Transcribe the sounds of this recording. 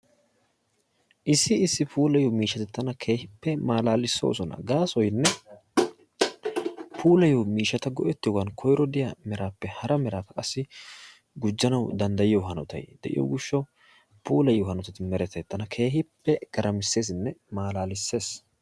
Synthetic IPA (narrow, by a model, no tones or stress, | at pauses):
ʔɪsːɪɪsːɪpʰuːlɐjomiːʃːɐt̪ɛt̪ːɐnɐkʰe̞ːhɪpːɛmaːlaːlɪsːo̰ːsɔnɐ̰ɡaːsɔjnːɛ | pʰuːlɐjɔwmiːʃɐt̪ɐɡɔʔɛt̪ːɪjɔɡɐnkʰɔjɾɔd̪ɪjɐmɛɾaːpːɛhɐɾɐmɛɾaːt̪ɐkʼɐsːɪ | ɡʊd͡ʒːɐnɐwd̪ɐnd̪ɐjɪjoɦɐnɔt̪ɐ̰jd̪̥ɛʔɪ̰jo̰ːɡʊʃːɔ | puːlɐjohɐnɔt̪ɐt̪ɪmɛɾɛt̪ːɐɛt̪ːɐnɐkʰe̞ːhɪpːɛɡ̥ɐɾʔɐmɪsːe̞ːs̬ɪnːɛmaːlaːlɪsːe̞ːs